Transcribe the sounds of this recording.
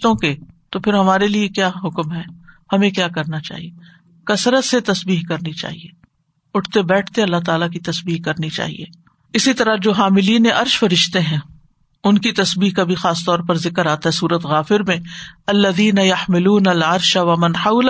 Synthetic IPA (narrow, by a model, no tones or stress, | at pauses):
t̪õket̪opʰɪɾɦɐmaːɾeliekjaːɦʊkmɦɛːhɐmẽkjaːkɐɾnat͡ʃa̰ːɦie | kɐsɾət̪set̪ɐsbiːɦkɐɾnit͡ʃa̰ːɦḭeː | ʊʈʰt̪ebɛːʈʰt̪eɐlːaɦt̪aːlakit̪ɐsbiːɦkɐɾnit͡ʃa̰ːɦḭḛː | ɪsit̪ɐɾad͡ʒoːɦaːmɪliːneʔɐɾʃfɐɾɪʃt̪eɦɛ̃ː | ʊnkit̪ɐsbiːɦkabʱixaːst̪ɔːɾpɐɾzɪkəɾaːt̪aɦɛsuːɾət̪ɣaːfɪɾmẽɐlːɐðiːnɐjɐħmɪluːnɐlɐɾʃaʋɐmɐnħaʊl